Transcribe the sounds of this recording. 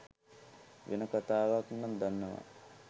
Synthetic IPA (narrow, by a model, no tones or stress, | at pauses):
ʋḛnəkat̪aːʋakunːand̪anːəʋa̰